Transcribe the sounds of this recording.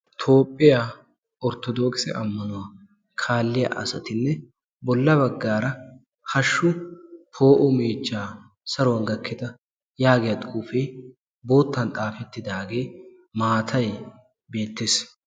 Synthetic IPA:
t̪ʰo̞ːpʼːɪja | ɔɾt̪ːɔd̪o̞ːkɪsɛ̰ʔɐmːɐnʊwaː | kʰaːlːɪjɐ̰ʔɐ̰sɐt̪ɪnːɛ | bɔlːɐbɐɡːaːɾɐ | hɐʃːʊpʰo̞ːʔʊmeːt͡ʃːaː | sɐɾwɐnɡɐkːɪd̪ɐ | jaːɡɪjɐt̪ʼʊuːfeː | bo̞ːt̪ːɐnt̪ʼaːfɛt̪ːɪd̪aːɡe̞ː | maːt̪ʰɐj | be̞ːt̪ːeːs

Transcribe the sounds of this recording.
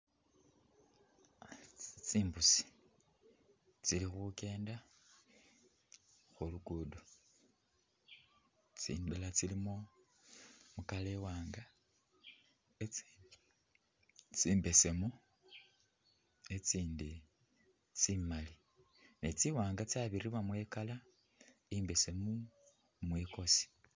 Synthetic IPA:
t͡siːmbusi̥ | t͡silixuke̞ːnda | xuluɡudo | t͡sḭndelat͡silimo | mukale̞waːŋɡa | et͡si | t͡siːmbe̞se̞mu | e̞t͡siːndi | t͡simali | net͡siwaːŋɡat͡saβiɾiβwamwekala | imbe̞se̞mu | mweko̞si̥

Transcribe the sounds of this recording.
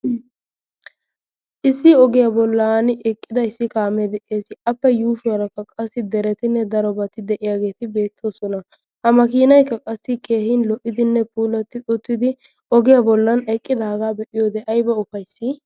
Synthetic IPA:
ʔɪsːɪɔɡɪjabɔlːanɪʔɛkʼːɪd̪ɐɪsːɪkaːmɛd̪ɛʔeːsɪʔɐpːɛjuːʃʊwɐɾɐkːɐkʼɐsːɪd̪ɛɾɛt̪ɪnːɛd̪ɐɾɔbɐt̪ɪd̪ɛʔɪjaːɡe̞ːt̪ɪbe̞ːt̪ʰːo̞ːsɔnɐ | hɐmɐkiːnɐjkːɐkʼɐsːɪke̞ːhɪnlɔʔɪd̪ɪnːɛpuːlɐt̪ːɪʔʊt̪ːɪd̪ɪ | ɔɡɪjabɔlːɐnɛkʼːɪd̪ɐɐɡaːbɛʔɪjoːd̪ɛʔɐjbɐʊfɐjsːɪ

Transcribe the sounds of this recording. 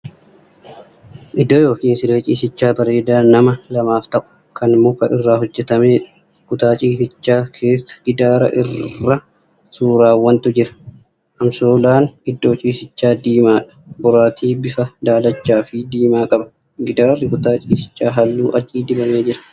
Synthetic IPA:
ʔɪd̪oːjo̞ːkiːnsɪdeːt͡ʃʼiːsɪt͡ʃːaːbɐɾe̞ːd̪aːnɐmɐlɐmaːft̪ɐʔʊ̥ | kɐnɪmːo̞ːkɐʔɪrːaːɦɔd͡ʒːɛt̪ɐme̞ːᶑɐ | ɡ̥ʊt̪aːt͡ʃʼiːsɪt͡ʃːaːkʰe̞ːsːɐ̥ɡ̥ɪd̪aːɾɐ̰ʔɪrːɐ | suːɾaːwːɐnt̪ʊd͡ʒɪɾɐ̥ | ʔɐmsoːlaːnɪd̪ːo̞ːt͡ʃʼiːsɪt͡ʃːaːd̪iːmaːᶑɐ̥bʊɾaːt̪ʰiːbɪfɐd̪aːlɐt͡ʃːaːfɪd̪iːmaːkʼɐbɐ̥ | ɡɪd̪aːrːɪɡʊt̪aːt͡ʃʼiːsɪ̥t͡ʃʼːaːɦɐlːuːʔɐt͡ʃʼːiːd̪ɪbɐme̞ːd͡ʒɪɾɐ̥

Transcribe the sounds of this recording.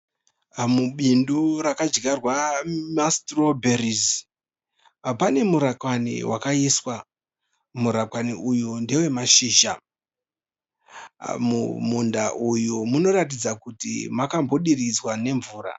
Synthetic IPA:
muɓinduɾakad͡ʒɡarwamastrobʱeriz | pane̞muɾakwanḭwʔakaiswa | muɾakwaniʔujundewe̞maʃiːʃa̰ | mumundaʔujumuno̞ɾatid͡zakutḭmakambo̞ɗirid͡zwane̞ɱvuːɾa̰

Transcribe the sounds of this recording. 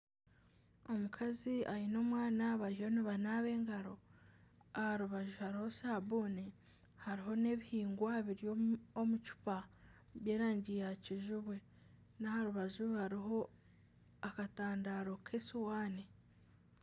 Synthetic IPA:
o̞mukʰaziajino̞ːmwaːnaβaɾiho̞niβanaːβe̞ːŋɡaɾo̞ | ahaɾuβaʒuhaɾiho̞saboːne | haɾiɦo̞ne̞βihiːŋɡwaβiɾjoomut͡ʃu̥pa | βje̞ːɾaːɲɟijaciʒuβwe̞ | nahaɾuβaʒuhaɾiɦo̞ | akataːndaːɾo̞kʰesuwaːne

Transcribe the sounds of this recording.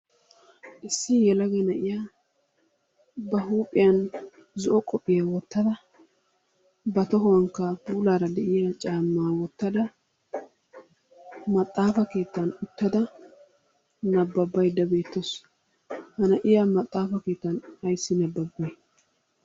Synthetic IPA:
ʔɪsːɪjɛlɐɡɛnɐʔɪjaː | bɐɦuːpʼɪjɐn | zɔʔɔkʼɔpʼːɪjawɔt̪ːɐd̪ɐ | bɐt̪ɔɦɔwɐŋkːɐbuːlaːɾɐd̪ɛʔɪjaːt͡ʃʼaːmːaːwɔt̪ːɐd̪ɐ | mɐt̪ʼːaːfɐke̞ːt̪ːɐnʊt̪ːɐd̪ɐ | nɐbːɐbːɐjd̪ɐbe̞ːt̪ːɔs | hɐnɐʔɪjaːmɐt̪ʼːaːfɐke̞ːt̪ːɐnɐjsːɪnɐbːɐbːɐj

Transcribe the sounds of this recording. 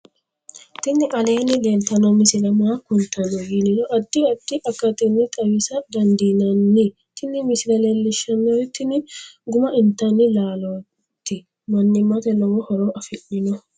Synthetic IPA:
t̪ɪnːɪʔɐleːnɪlelt̪ːɐnɔmɪsɪlɐmaːkʊnt̪ːɐnɔɡiːnɪnɔʔɐd̪ːɪɐd̪̥ːɪʔɐkːɐt̪ɪnːɪt̪ʼɐwɪsɐd̪ɐnd̪iːnɐnːɪ | t̪ʰɪnːɪmɪsɪlɐlelːɪʃːɐmɪojt̪ːɪnɪɡʊmɐʔɪnt̪ːɐnːɪlaːlo | t̪ːɪ | mɐnːɪmːɐt̪ɛlɔwɔhɔɾoʔɐfɪʔɪnɔ

